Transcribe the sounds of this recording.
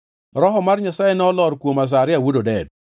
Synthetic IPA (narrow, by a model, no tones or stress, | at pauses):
ɾɔɦɔmarɲasajenɔlɔɾkwomas̬aɾɪawudodɛd̚